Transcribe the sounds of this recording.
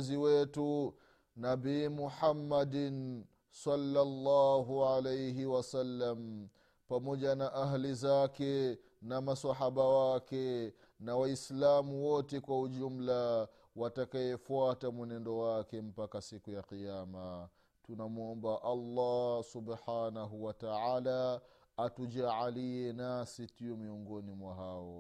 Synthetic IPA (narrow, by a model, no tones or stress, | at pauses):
ziwɛtu | nabiːmuħamːadn | salːalːaɦuʕalejɦiwasalːam | pamɔʄanaʔaɦlizakɛ | namasaɦaɓawakɛ | nawaislamuwɔtɛkwauʄum̩la | watakajɛfuatamwɛnɛndɔwakɛm̩pakasikujaqiama | tunamuɔmbaʔɑlːɑsubħanaɦuwataʕaːlaː | tuʄaʕaliɛnasitiɔmiɔŋɡɔnimwaɦaɔ